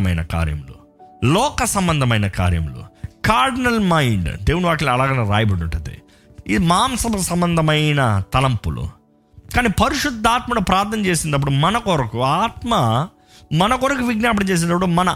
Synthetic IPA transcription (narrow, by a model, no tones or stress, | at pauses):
mɐjnɐ̰ka̰ːɾjɐ̰mulu | lɔːkɐsɐmbɐnd̪ʱɐmɐjnɐka̰ːɾjɐ̰mulṵkaːɾɖinɐlmɐjɳɖd̪eːʋuniʋaːʈilɐlaːɡɐneɾaːjɐbɐɽuɳʈːɐd̪ḛ | id̪imaːmsɐbɐsɐmbɐnd̪ʱɐmɐjnɐt̪ɐlɐmpːṵlṵ | kaːniːpɐɾiʂud̪ʱːaːt̪mɐnupɾaːɾt̪ʰnɐnt͡ʃeːsind̪ɐp̬ːuɽumɐnɐkoɾɐkuaːt̪mɐ | mɐnɐkoɾɐkuʋiɡnaːpɐɽɐt͡ʃeːs̬ind̪ɐpːuɽumɐnɐ